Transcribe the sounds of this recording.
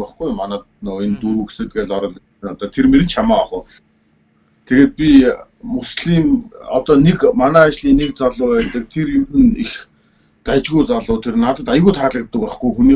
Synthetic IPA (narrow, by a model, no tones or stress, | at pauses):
æχɡujmːanæː | nɔːent̪uɾuːɡe̥sɘ̆t̪̚ɡeːɮɔɾɞ̆ɮ | ɘ̆nɔt̪ɔːt̪ʰermeɾɘ̆t͡ɕʰamaːɔχə̆ː | t̪ʰeɣeːt̪̚pʲimusɮiːmɔt̪ɔːnekmanæːat͡ɕɮiːnek̚t͡saɮʊːæːt̪ə̆k̚t̪ʰeɾimt̪ɘ̆nix | t̪æt͡ɕɣujt͡saɮʊːt̪ʰernat̪ə̆t̪ajəɣuːjt̪ʰχaːɮə̆kt̪ːə̆kæːχɡujxuniː